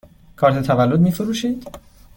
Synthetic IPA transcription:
kʰɒːɾt̪ʰet̪ʰævælːod̪miːfeɾuːʃiːd̪̥

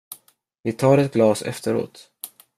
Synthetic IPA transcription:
vɪt̪ʰɑːɾɛt̪̚ɡlɑːsɛ̰ft̪əɾo̰ːt̪

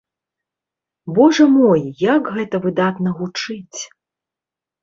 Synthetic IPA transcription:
bɔʐɐmɔjjakɣɛt̪ɐvɨd̪at̪nɐɣut͡ʂɨt͡sʲ

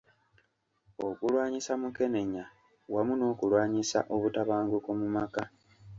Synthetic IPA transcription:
o̞kulwaːɲisamuke̞ne̞ɲa | wamuno̞ːkulwaːɲisa̰ʔo̞βutaβaːŋɡokumumaka

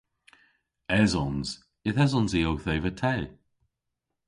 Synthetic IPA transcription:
ɛzɔnz̥ | ɪθɛzɔnziowθejvətʰɛː

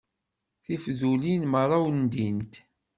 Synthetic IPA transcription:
θifðulinməɾˤɑwənd̪int̪

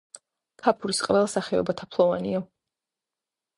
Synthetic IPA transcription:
kʰapʰuɾisqʼvɛlˠasaχɛɔ̰bat̪ʰapʰlˠɔvaniɔ

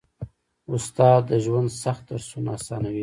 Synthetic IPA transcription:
ʊst̪ɑd̪ːəʒwand̪saxt̪̚d̪aɾsuna̰sɑnawi

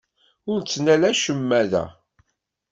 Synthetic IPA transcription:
ʊɾt͡sːnælæʃəmːæðæ̰

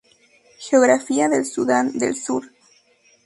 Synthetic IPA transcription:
xeoɣɾafiaðelsuðand̪ḛlsuɾ

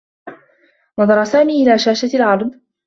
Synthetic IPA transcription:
nɑd̪ˤɑɾˤɑsaːmiːʔɪlaːʃaːʃalʕɑɾˤd̪ˤ

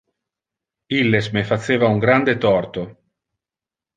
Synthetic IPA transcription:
ilːesmefat̪sːeːvauŋɡɾand̪et̪ɔrt̪o

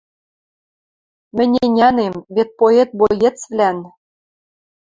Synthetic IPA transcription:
mɘ̆nʲenʲænemβet̪̚poet̪̚bojĕt͡svlʲæn

